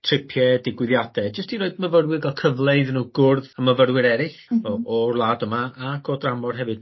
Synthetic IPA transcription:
tʰr̥ɪpʰjɛdɪɡwɪðjadɛd͡ʒəstiɾoːɨdməvərwɪɡalˠkʰəvlˠeɨðnuːɡʊrðaməvəɾwɪɾɛɾɪχɔɔrlˠadəmaaɡ̥ɔdramɔrɦɛvɨd̥

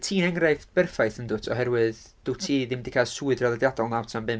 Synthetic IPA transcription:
tʰiːnɛŋrajfb̥ɛrfajθəndʊtʰɔɦɛɾwɨð | d̥utʰiːðɪmdikʰaːsuːɨdrɔlˠɛdjadɔlˠnawtʰambɨm

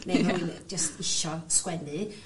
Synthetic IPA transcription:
mɛmawind͡ʒəstɪʃɔskwɛnɨ

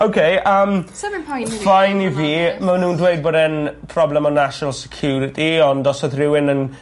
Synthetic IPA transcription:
owkʰejəmʰɔfajniviːmanũːndwejd̚boːdɛnpʰrɔblɛmɔnaʃɔnalˠsɛ̥kʰj̥uːɾɪtʰiɔndɔsɔðrɪwɪnən

